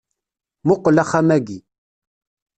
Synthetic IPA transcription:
mʊqəlaχamæɡi

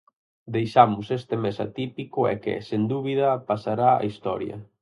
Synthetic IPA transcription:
d̪ejʃamʊsest̪emesa̰t̪ipikʊɛ̰kɪ̰send̪uβiðɐpasaɾaa̰ist̪ɔ̰ɾjɐ̰

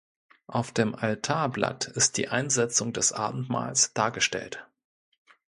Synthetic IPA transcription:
ʔaʊfd̥eːmʔaltʰaːɐbla̰tɪst̚d̥ḭːʔaɪnzɛt͡sʊŋdɛsʔa̰ːbm̩tma̰ːlsd̥aːɐɡəʃtɛ̰lt

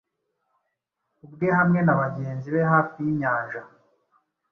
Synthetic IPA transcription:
ubɡehamŋe̞naβaɟe̞ːnziβe̞ɦaːfijiɲaːnʒa

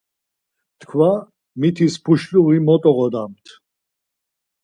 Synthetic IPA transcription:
t̪ʰkʰva | mit̪ʰispʰuʃluʁimɔt̪ʼɔʁɔd̪amt̪ʰ

